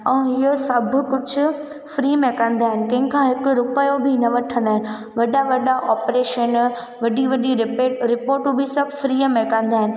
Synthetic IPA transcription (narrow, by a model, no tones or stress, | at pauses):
ɛ̃ɦɪjosɐbʱʊ̆kʊd͡ʑʱʊ̆ | fɾiːmẽkɐ̃nd̪aːɦɪnɪ̆kɐ̃ɦɪ̃kʰãːɦɪkʊɾʊpəjobʱinɐʋɐʈʰə̃nd̪aːɦɪnɪ̆ | ʋɐɗaʋɐɗaʔɔːpɾeːʃən | ʋɐɗiʋɐɗiɾɪeːɾɪpoːɾʈõbʱɪsɐbʱʊfɾiːəmẽkɐ̃nd̪aːɦɪnɪ̆